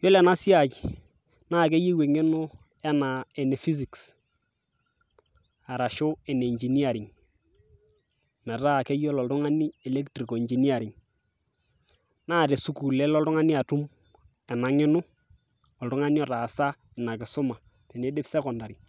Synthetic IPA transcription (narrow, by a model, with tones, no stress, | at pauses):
jo˦lɛ˨na˦sja˦˨t͡ʃ | naː˦˨k̬e˦ji˦we˨ŋɪ˦nʊ˦ | ɛ˦na˨e˨ne˨fi˦s̬i˨ks | a˨ɾa˨ʃʊ˦ɛ˨ne˨i˨nd͡ʒi˨ni˦a˨ɾɪ˨ŋ | mɛ˨ta˦˨ke˦jɔ˦lɔ˨ltʊ˦ŋa˦ni˦ɛ˨le˦ktɾi˨ko˨i˨ɲd͡ʒi˨ni˦a˨ɾɪ˨ŋ | naː˦˨ɾe˨su˦ku˨lɛ˦lɔ˦ltʊ˦ŋa˦ni˦a˨tu˦m | ɛ˨na˨ŋɪ˦nʊ˦ | ɔ˨ltʊ˦ŋa˦ni˦ɔ˨ta˨sa˦ | ɪ˨na˨kɪ˨sʊ˦ma˨ | te˨ne˦dɪ˦psɛ˦kɔ˨nda˨ɾi˨